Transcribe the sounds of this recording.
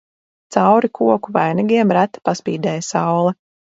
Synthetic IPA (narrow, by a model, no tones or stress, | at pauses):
t̪sawɾikʰuɔkuvajniɡʲiɛmɾæt̪ːḁpaspiːd̪ɛːjasawlˠɛ